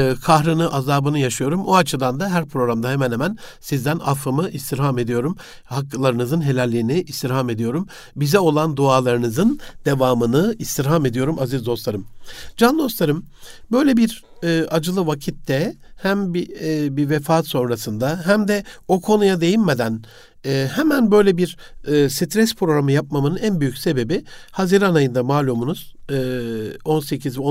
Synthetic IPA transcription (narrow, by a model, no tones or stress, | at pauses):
kʰaɦɾɯnɯʔazaːbɯnɯjaʃɯjo̞ɾumoat͡ʃʰɯd̪and̪aɦæɾpʰɾo̞ɾamd̪aɦemænhemænsizd̪æna̰fɯmɯʔist̪ʰiɾɦame̞d̪ijo̞ɾum | hakːlˠaɾɯnɯzɯnɦe̞lʲælʲːiːiniʔist̪ʰiɾɦame̞d̪ijo̞ɾum | bizɛo̞lˠand̪uaːlˠaɾɯnɯzɯnd̪̥e̞vaːmɯnɯist̪ʰiɾɦame̞d̪ijo̞ɾumazizd̪o̞st̪ˠaɾɯmd͡ʒand̪o̞st̪lˠaɾɯm | bø̞jlʲebiɾː | ad͡ʒɯlˠɯvacʰit̪ːɛhæmbibivefaːt̪so̞nɾasɯnd̪aɦæmd̪ɛokʰo̞nujad̪e̞jinme̞d̪æn | ɛːɦɛmænbø̞jlʲebiɾːsit̪ʰɾɛspʰɾo̞ɡɾamɯjap̚mamɯnɯnænbyjycʲse̞be̞bihaziɾanajɯnd̪amaːlʲomunuz̥ː | o̞nse̞cʰizvo